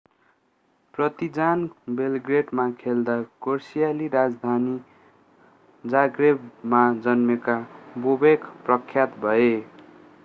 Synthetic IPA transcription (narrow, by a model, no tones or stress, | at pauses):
prʌt̪id͡zanbelɡreɖmakʰeld̪akorsijaliɾad͡zd̪ʱani | d͡zaɡrebmad͡zʌnmekabobekʰprʌkʰːjat̪bʱʌe